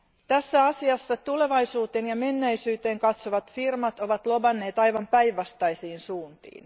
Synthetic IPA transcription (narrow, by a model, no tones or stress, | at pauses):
t̪æsːæɑsiɑsːɑt̪ule̞ʋɑjsuːt̪eːnjɑme̞nːæjsyːt̪e̞ːŋkɑt̪soʋɑt̪firmɑt̪o̞ʋɑt̪lo̞bɑnːe̞ːt̪ɑjʋɑmpæjʋːɑst̪ɑjsiːnsuːnt̪ḭːn